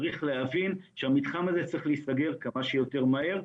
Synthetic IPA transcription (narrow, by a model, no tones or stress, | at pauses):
ʁiχleɦavinʃeamitχamazet͡sʁiχlisaɡe̞ʁkamaʃejote̞ʁmahe̞ʁ